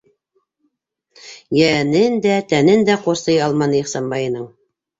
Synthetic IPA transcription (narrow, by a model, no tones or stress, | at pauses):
jænɘnd̪æt̪ænɘnd̪æqoɾsɤjɑlˠmɑnɤjiχsɑmbɑjɤ̆nɤɴ